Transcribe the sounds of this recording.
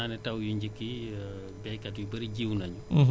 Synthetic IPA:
anɛtawjuɲɟikːi | bɛkatjubɐɾiɟiwnaɲu

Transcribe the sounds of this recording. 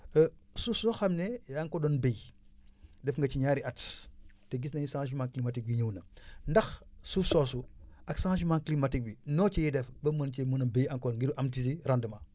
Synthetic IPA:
sufsɔxɐmnɛjaŋkɔdɔnbej | dɛfŋɡɐt͡ʃiɲaːɾiʔɐtstɛɡisnɐɲusãʃ̬umãŋklimatik̚biɲuwnɐndɐxsufsɔsuɐksãʃ̬umãŋklimatik̚binɔːt͡ʃijɛdɛfbɐmɐnt͡ʃɛmunɐbejɐŋkɔnŋɡiɾuʔɐmtitiɾandəmɐ

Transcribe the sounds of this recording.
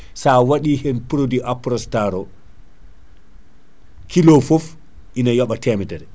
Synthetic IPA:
sawaɗiːhɛnpɾodiʔapɾɔstaɾɔ | kilɔfɔf | ʔinajɔɓatɛːmɛdɛɾɛ

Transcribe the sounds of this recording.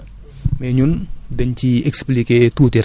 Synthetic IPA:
mɛɲundɐɲciɛksplikeːtuːtiɾ

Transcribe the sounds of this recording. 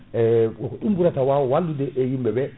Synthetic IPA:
ɛɔkɔɗumbuɾatawawɔwaldudɛʔɛjimbɛbɛ

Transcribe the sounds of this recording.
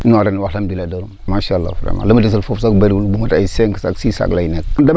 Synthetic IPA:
inaɾanwalamdiladaɾummaʃalːa̰fɾa̰ma̰lomdis̬ilfofsakbeɾɡulbumataiseŋksa̰ksisa̰klainekda

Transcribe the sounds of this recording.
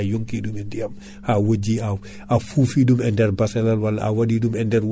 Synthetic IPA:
joŋkidumɛndiam | hawoɟiaw | afuːfiːdumɛndɛɾbasɛlalwalːa̰ʔa̰wadiːdumɛndɛɾw

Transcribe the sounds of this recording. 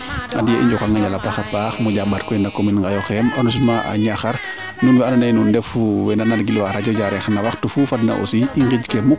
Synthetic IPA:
a̰dijeʔḭɲd͡ʒokaŋɡaɲɟalapaxapaxmuɟabatkɔinakominŋɡajɔxɛmɔnɔs̬imaʔa̰ɲaxaɾ | nunwɛanɔnanundɛfuwɛnanadɡilwaɾaɟɔd͡ʒaɾɛxnawaxtufufadna̰ʔo̰siiŋɡid͡ʒkemuk̚

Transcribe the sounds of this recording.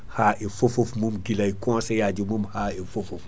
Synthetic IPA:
haːʔifofofmumɡilaikɔ̃sejad͡ʒimumhaifofof

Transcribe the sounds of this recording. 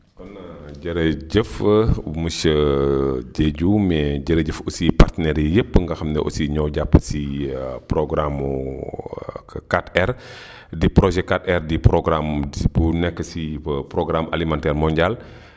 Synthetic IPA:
kɔnɟəɾəɟəfməsə | ɟeɟumɛɟəɾəɟəfɔsipartənɛɾjəjəpːəŋɡɐxɐmnɛ̰ʔɔ̰siɲɔːɟapːə̥sipɾɔɡɾamu | katɛr | dipɾɔʒɛkːatɛrdipɾɔɡɾambunɛkːəsipɾɔɡɾamʔa̰limantɛːrmɔɲɟal

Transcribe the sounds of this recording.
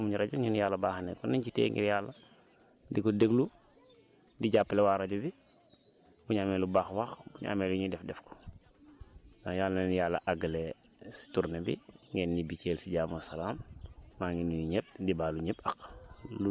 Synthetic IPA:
muɲiɾaɟuɲinjalːɐbaːxnɛ̰kɔninɟitḛːŋɡʔɛ̰ɾjaːlːa | dikɔdeɡlu | diɟapːlewaːɾaɟubi | buɲamɛlubaːxwaxbuɲa̰mɛːluɲidɛfdɛfkɔ̥ | najalːnɛnjalːɐ̰ʔaɡɐle | si̥tuɾnebḭŋɡɛnːibikelsiɟaːmosɐlaːmːaːŋɡinujiɲep̚dibaːluɲepaklu

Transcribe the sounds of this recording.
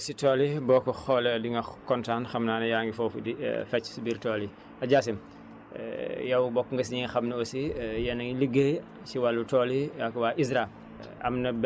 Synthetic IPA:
sitɔlibɔːkːɔxɔlɛdiŋɡɐkɔntaːnxɐmnaːnɐjaːŋɡifɔːfudḭfɛt͡ʃːsibiɾtɔːli | ɐɟaːsim̰ | jɐwbɔkːŋɡɐs̬ɲiŋɐxɐmnɐosijɐnɐŋləɡeː | siwalːutɔːliakɐwaːʔis̬ɾam | ɐ̰mnɐb

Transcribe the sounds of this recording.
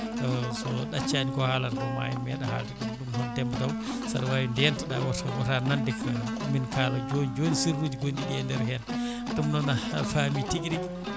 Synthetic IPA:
ɔsɔɗat͡ʃːanikɔhaːlanɾɔma̰jimɛɗaha̰ldiɗumɗumhɔndɛmbɔdaw | sa̰ɾwajindɛntaɗawɔtʰaɡɔtanandɛk | minkaːlɔd͡ʒonid͡ʒonisiɾːud͡ʒiɡondiɗɛndɛɾhɛn | tumnɔnafamitikɗi

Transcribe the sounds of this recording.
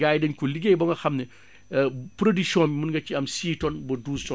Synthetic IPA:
ɡaːjdɐnkuliɡejbɐŋɡɐxɐmnɛ | pɾodiksɔ̃bimunɡɐt͡ʃiɐmsiːtɔnbɔduːstɔ

